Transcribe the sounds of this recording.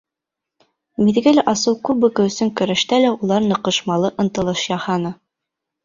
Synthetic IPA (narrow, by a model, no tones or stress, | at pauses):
miðɡælæʔɑsɤlˠkʉbɵ̆kɘ̆wɵ̆sɘŋkɵ̆ɾæ̆ʃt̪ælæulˠɑɾnɤ̆qɤ̆ʃmɑlˠɤʔɤ̆nt̪ɤ̆lˠɤʃjɑhɑnɤ